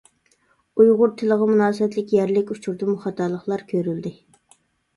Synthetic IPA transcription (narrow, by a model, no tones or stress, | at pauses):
ujʁʊɾt̪ʰɪləʁɑmunɑːsəɛt̪lɪkʲjæɾlɪkʲut͡ʃʰuɾd̪ɨmuχɑt̪ːɑlˠːəχlˠɑɾkʲʰøɾyld̪ɪ